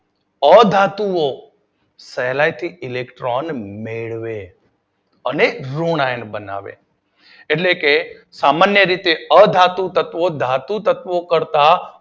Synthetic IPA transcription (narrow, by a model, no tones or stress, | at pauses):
əd̪ʱat̪uo | səɦlajt̪ʰiɪlekʈɾɔnmeɭʋe | əneɾonajnbəna̰ʋḛː | ʈleke | samanjəɾit̪eəd̪ʱat̪ut̪ət̪ʋod̪ʱat̪ut̪ət̪ʋokəɾt̪a